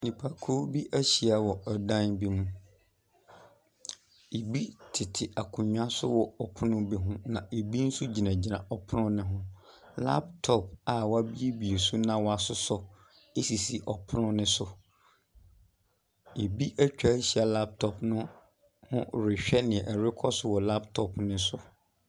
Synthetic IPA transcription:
nĩ˨pʰa˨kʰo˦bi˦ʔæ˦ɕi˨a˨wɔ˨ɔ˨dã˦nbi˦mũ˦ | e˨bi˦tʰɪ˨tʰɪ˨ʔa˨kʰũ˨ɲᶣ˦ã˦sʊ̰˦wɔ˨ɔ˨pʰʊ˦nʊ̃˦bi˦ɦʊ̃˦nã˨e˨bi˦n̩˦su˦d͡ʑi˨nã˨d͡ʑi˨nã˨ʔɔ˨pʰʊ˦nʊ̃˦nɪ̃˦ɦʊ̃˦ | la̰˦p̚tʰɔ˦pa˨wa˦bi˦e˦bi˨e˨su˦nã˨wɔ˦a˨sʊ˦sɔ˨ | e˦si˨si˨ʔɔ˨pʰʊ˦nʊ̃˦nɪ̃˦sʊ˨ | e˨bi˦ʔæ˦t͡ɕᶣa˨˦ɕi˨a˨la˦p̚tʰɔ˨pnʊ̃˦ | hʊ̰̃˦ɾɪ˨ɕᶣɛ˦nɪ̃˨ʔɛ˨ɾɪ˦kʰɔ˦sʊ˦wɔ˨la˦ptʰɔ˨pʰnɪ̃˦sʊ˦

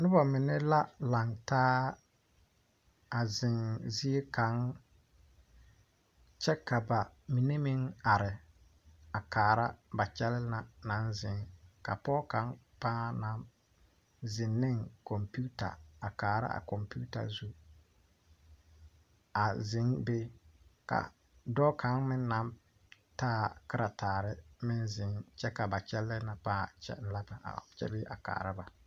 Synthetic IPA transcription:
nʊ˦ba˨mɪ˨nɛ˦la˦la˨ŋtaː˦ | a˨zɪ˨ŋzɪ˦e˦ka˨˦ŋ | t͡ʃɛ˦ka˨ba˨mi˨ne˦mɪ˦ŋa˨ɾɪ˨ | a˨kaː˨ɾa˦ba˨t͡ʃɛ˦lɪ˦na˨na˨˦nzɪ˨ŋka̰˨pɔ˦ka˨˦ŋ | paː˦na˨˦m | zɪ˨nːɪ˦ŋkɔ˨mpu˦ta̰˨a˨kaː˨ɾa̰˦ʔa̰˨kɔ˨mpu˦ta̰˨zu˦ | a˨zɪ˨˦ŋbe˦ka̰˨ | dɔ˦kʰa˨˦ŋmɪ˦nːa˨˦m | taː˦˨kɪ˦ɾʔa˨taː˨ɾɪ˦mɪ˦nzɪ˨ŋt͡ʃɛ˦ka˨ba˨t͡ʃɛ˦lːɪ˦na˨paː˦t͡ʃɛ̰˦la˦ba̰˨t͡ʃɛ̰˦bɪ˦ʔa̰˨ka̰ː˨ɾa˦ba˨

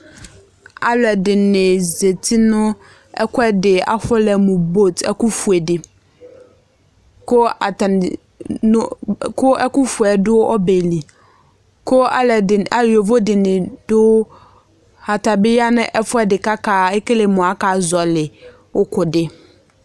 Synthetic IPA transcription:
a̰˦lɛ˨dɪ˨nɪ̃˨ze˨tʰi˦nʊ̃˦ | ɛ̰˦kʰʊ˦ɛ˦dɪ˨a̰˨fʊ˦lɛ˨mʊ̃˨bo˦˨tʰɛ̰˦kʊ˦fu˨ɛ˨dɪ˨ | kʊ˦˨ | ʊ˦kʰʊ˦ɛ˦kʊ˦fu˨ɛ˨dʊ˦ʔɔ˦be˨li˨ | kʰʊ˦a̰˨lɛ˨ɪ˨a˨lɔ˨vo˦dɪ˨nɪ̃˨d̥ʊ˦ | a˨ta˨bɪ˦ja˦nʊ̃˦ʔɛ˦fʊ˦ɛ˦dɪ˨ka˦kʰaː˨ɪ˦kɪ˦lɪ˨mʊ̃˨a˦ka˨zɔ˨lɪ˨ | wʊ˦kʰʊ˨dɪ˦

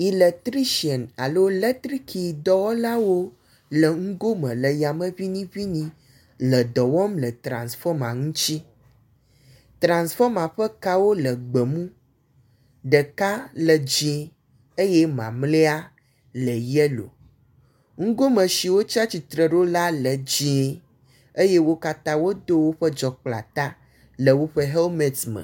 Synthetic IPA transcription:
i˨lɛ˨t̪ɾi˦ʃi˨ɛ˨na̰˨lo˦lɛ˦t̪ɾi˦kʰi˨d̪ɔ˨wɔ˦la˦wo˦ | lə˨ŋ̩˦ɡo˦mə̃˨lə˨ja˨mə̃˦vi˦nĩ˦vi˦nĩ˦ | lə˨d̪ɔ˨wɔ˦mlə˨t̪ɾã̰˨nsfɔ˦mã˨ŋũ˦t͡ɕi˦ | t̪ɾã˨nsfɔ˦mã˨ɸə˦ka˦wo˦lə˨ɡ͡bə˨mũ˦ | ɖə˨ka˦lə˨d͡ʒĩ˨e˨ | e˦jɛ˦mã˨mle˦a˦ | lə˨jɛ˦lo̰˨ | ŋ̩˦ɡo˦mə̃˨ʃi˨wo˦t͡ʃi˦a˦t͡ɕi˨t̪ɾə˨ɖo˦la˦lə˨d͡ʑi˦e˨ | e˦jɛ˦wo˦ka˦t̪ã˦wo˦d̪o˦wo˦ɸə˦d͡ʒɔ˨k͡pla̰˨t̪a˦ | lə˨wo˦ɸə˦ɦe˦lmɛ˨tmə̰˨

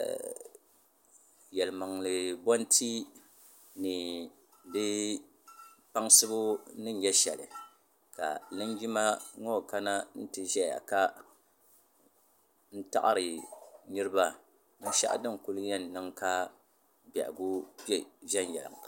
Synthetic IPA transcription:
jɛ˨lɨ˨ma˨ŋlɨ˨bɔ˦n˦tʰi˦ | nɨ˨ | bɨ˦ | pa˦ŋsɨ˦bʊ˦nɨ˦n˦jɛ˦ʃɛ̰˨lɨ˨ | ka̰˨nɨ˦nd͡ʒi˦ma˦ŋo˦˨ka˦na˦n̩˦tɨ˨ʒɛ˦ja̰˨ka˦ | n̩˦ta̰˦ʔa̰˦ɾɨ˨nɨ˦ɾɨ˦ba˦ | nɨ˦ʃa̰˦ʔa̰˦dɨ˦ŋku˦lɲɛ˦nːɨ˦ŋka˦ | bɛ̰˨ʔɡu˦bɛ˦ʒɛ˦n˨jɛ̰˨lɨ̰˨ŋ˨

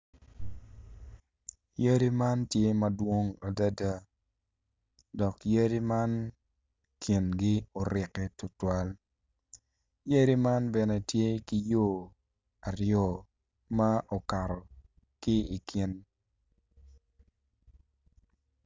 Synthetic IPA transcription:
jə˦ɾi˦ma˦ntje˦mɐ˦dwo˦ŋa˨da˦da˦ | dɔ˨kje˦ɾi˦ma˦n | kʰi˨nɡi˦o˨ɾɪ˨kɛ˨tʊ˨twa˦l | je˦ɾi˦ma˦nbɛ˨nɛ˦tje˦ki˦jo˦˨ | a˨rjɔ˦˨ | ma˦ʔo˨ka˨ɾɔ˨ | kɪ˦i˨ki˦n

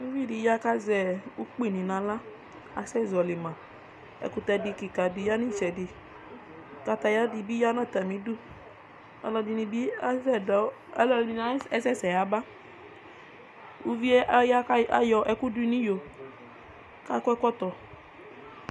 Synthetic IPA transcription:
u˦vi˦˨di˨˦ja˦ka˦zɛ˨u˦k͡pi˦˨nĩ˨nã˨˧˦la˦ | a˧sɛ˦˨zɔ˨li˨mã˨ | ɛ̰˨ku˧tɛ˧di˧ki˨ka˨di˧ja˦ni˦˨t͡ʃɛ˨di˧ | ka˧ta˧ja˦di˧bi˦ja˦nã˦˨ta˨mĩ˨˦du˦ | ɔ̰˧lɔ˧di˧nĩ˧bi˦ɛ˦˨dɔ˨˦ | lɔ˧i˨ni˧na˦ɛ˦sɛ˦˨sɛ˨a˨˦ba˦ | u˧vi˦ɛ˦ja˦a˦jɔ˧ʔɛ˧ku˦du˦i˧nĩ˦jo˨ | ka˦kɛ˦kʷɔ˦˨tɔ˨

